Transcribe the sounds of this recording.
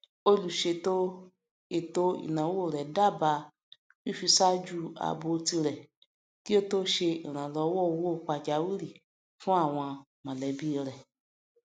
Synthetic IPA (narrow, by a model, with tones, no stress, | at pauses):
o˧lu˨ʃe˧to˦ | e˦˨to˦ḭ˨nã˨˦wo˦˨ɾɛ˨da˦˨ba˧ | wi˦˨fi˧sa˦d͡ʒu˦a̰˨˧bo˧ti˧ɾɛ˨ | ki˦o˦to˦ʃe˧i˨ɾ̃ã˨lɔ˧˦wɔ˦˨˧wo˦˨k͡pa˧d͡ʒa˨˦wi˦ɾi˦˨ | fũ˦a˦˨w̃ɔ̃˧ | mã˨lɛ˨˧bi˦˧ɾɛ˨